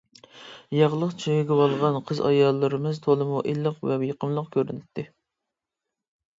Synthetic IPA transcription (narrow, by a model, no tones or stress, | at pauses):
jɑʁlˠəqt͡ʃʰejɡʲɛwɑlˠʁɑnqʰəzɑ̰jɑlˠːɨɾɨmɨzt̪ʰolˠɨmuʔilːəqvɛjəqʰəmlˠəqkʲʰøɾynɪt̪ʰːɪ